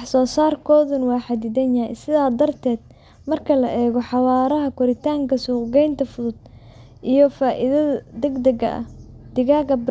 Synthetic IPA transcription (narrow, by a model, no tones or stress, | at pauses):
wɑħsɔːsaːrkʰɔːðʊnwɑːħɑd̪ɪd̪ɛɲɐj̰sɪðaːd̪ɐrt̪ʰɛːd̪ | mɐrkʰɐlɐʔɛːɣɔħɑwaːɾɐɦɐkʰʊɾɪt̪ʰaːŋkʰɐsuːqɡɛjnt̪ʰɐfʊðʊd̪̚ | ʔijɞfaːʔɪ̰ðɐðɐd̪ɛɡd̪ɐɡɐ̰ʔɐ̰d̪̥ɪɣaːɡɐb